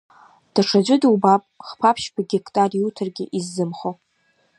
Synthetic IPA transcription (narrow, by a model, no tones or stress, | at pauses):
d̥aʂʰad͡ʒʷʊdɨwbapʼχpʰapʰʃpʰaɡʲekʼtʼarjutʰɨrɡʲɪ̰ʔizːɨmχo